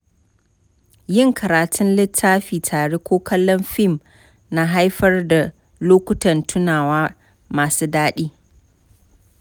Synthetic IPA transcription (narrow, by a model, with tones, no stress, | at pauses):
jɪ˦ŋkʰɐ˨ɾaː˨tʰʊ˦nlɪ˦tʰːaː˦ɸiː˨tʰaː˨ɽe˦kʷoː˦kɐ˦lːɔ˦mɸɪ˦˨m | na˦ɦa˦jɸɐ˦rda˨ | loː˦kʷʊ˦tɐ˨ntʰʊ˦naː˨waː˦ | maː˨suː˦daː˦ɗiː˦